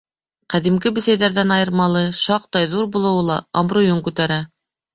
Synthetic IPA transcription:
qæðimɡɘbɘ̆sæjðæɾðænɑjɤ̆ɾmɑlˠɤʃɑq̚t̪ɑjðuɾbulˠɤ̆wlˠɑ̰ɑmɾujoŋkʉt̪æɾæ

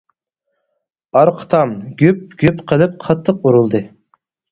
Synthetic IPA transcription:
ɑɾqʰə̥t̪ʰɑmɡʲyp̚ɡʲypqʰəlˠɨp̚qʰɑt̪ʰːəq̚uɾulˠd̪ɨ

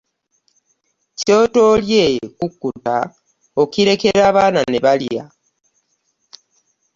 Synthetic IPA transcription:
co̞ːto̞ljekukːuta | okiɾe̞ke̞ɾaːβaːnane̞βalja̰

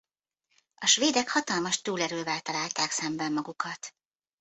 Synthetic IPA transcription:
ɒʃʋeːd̪ɛkhɒt̪ɒlmɒʃt̪uːlɛɾøːvɛlt̪ɒlaːlt̪aːksɛmbɛmːɒɡukɒt̪

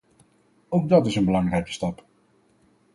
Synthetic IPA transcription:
owɡ̚dɑtɪsənbəlɑŋrɛjkə̥stɑp

